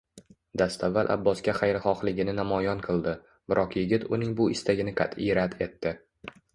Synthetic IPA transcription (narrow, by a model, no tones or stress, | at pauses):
d̪ast̪ʰavːalʔa̰bːɒskʲaχɑjɾχɒχlɪɡʲɪnɪnamɒjɒnqʰɨlˠd̪ɪ | b̥ɪɾʔɒqjɪɡʲɪt̪ʊnɪŋbʊɪst̪ʰaɡʲɪnɪqʰɑ̰t̪ɪɾat̪e̞t̪ːɪ